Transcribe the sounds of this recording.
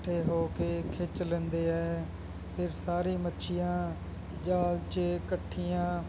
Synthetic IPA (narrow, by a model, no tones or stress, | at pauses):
ʈʰeːɦoːkeːkʰɪt͡ʃlɛ̃ːnd̪eːɛː | pʰɪɾsaːɾiːmətːʃʰɪjãː | d͡ʒaːlt͡ʃkəʈʰːijãː